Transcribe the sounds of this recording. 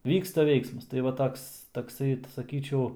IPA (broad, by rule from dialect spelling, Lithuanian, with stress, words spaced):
ˈʋʲiːkstɐ ˈʋʲɛɪksmɐs tɐɪ ˈʋɐ ˈtoːks tɐkˈsɐɪ sɐˈkʲiːt͡ʃʲɛʊ